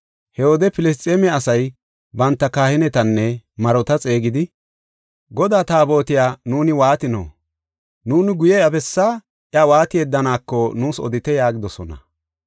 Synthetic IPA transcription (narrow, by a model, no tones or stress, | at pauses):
hɛhoːd̪ɛpɪlɛs̬t̪ʼemɛɐsɐj | bɐnt̪ːɐkaːhɪnɛt̪ɐnːɛmɐɾɔt̪ɐt͡sʼe̞ːɡɪd̪ɪ | ɡɔd̪aːt̪aːbo̞ːt̪ɪjaːnuːnɪwaːt̪ɪno̰ː | nuːnɪɡʊjɛɐbɛsːaː | ʔjɐwaːt̪ɪjɛd̪ːɐnaːkːɔnuːsɔ̰d̪ɪt̪ɛjaːɡɪd̪ɔsɔnɐ̰